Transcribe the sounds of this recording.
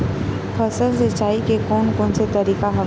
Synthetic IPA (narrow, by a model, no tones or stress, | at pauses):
pʰəsəls̬ət͡ʃaːikekɔːnkɔ̃ːnset̪ɐɾiːkaɦɐ